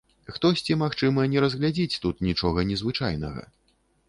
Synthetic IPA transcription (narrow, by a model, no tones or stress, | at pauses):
xt̪ɔsʲt͡sʲimaxt͡ʂɨmɐnʲɛɾɐzɣlʲad͡zʲit͡sʲt̪ut̪nʲit͡ʂɔɣɐnʲɛzvɨt͡ʂajnɐ̰ɣɐ̰